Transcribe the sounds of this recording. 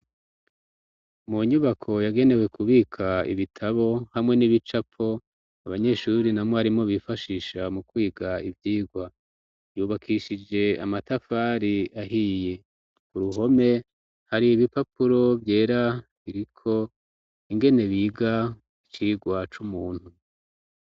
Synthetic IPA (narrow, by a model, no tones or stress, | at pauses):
muɲuβakʰo̞jaɡe̞ne̞we̞kuβiːkʰaḭβitʰaβo̞hamŋe̞niβit͡ʃapʰo̞ | aβaɲe̞ʃuɾinamŋoaɾimŋo̞βifaʃiːʃamukwiːɡaivjiːɡwa | juːβakʰiʃid͡ʒe̞a̰matafaɾiaɦije̞ | kuɾuɦo̞me̞ | haɾiiβipapuɾo̞vje̞ːɾaβiɾikʰo̞ | iŋɡe̞ne̞βiːɡa | it͡ʃiːɡwat͡ʃumuːn̥hu